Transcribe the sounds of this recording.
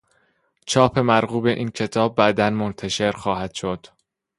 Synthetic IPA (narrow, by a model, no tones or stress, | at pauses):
t͡ʃʰɒːpʰe̞mæɾɣuːbe̞ʔiːncʰe̞t̪ʰɒːb̚ːæd̪ænmont̪ʰæʃe̞ɾxɒːɦæd̪̥ʃo̞d̪̥